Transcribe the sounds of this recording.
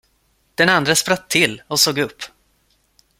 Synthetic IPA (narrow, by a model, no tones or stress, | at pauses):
d̪̥ɛnand̪ɾaspɾat̪ʰːɪlːɔsoːɡɵpː